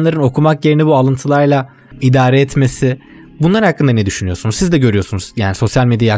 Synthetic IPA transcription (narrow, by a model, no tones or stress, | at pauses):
nlˠaɾɯno̞kʰumakje̞ɾinɛbualˠɯnt̪ʰɯlˠaɾlˠa | id̪aːɾɛːt̪me̞sɪ | bunlˠaɾhakːɯnd̪anɛd̪yʃynyjo̞sunuzsizd̪ɛɟø̞ɾyjo̞sunuz̥jaːniso̞sjalʲmɛd̪ijaja